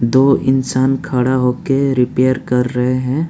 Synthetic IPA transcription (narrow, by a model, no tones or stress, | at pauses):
d̪oːɪ̰nsaːnkʰaːɽaɦoːkeɾɪpeːjəɾkɐɾːɐɦeɦɛ̃ː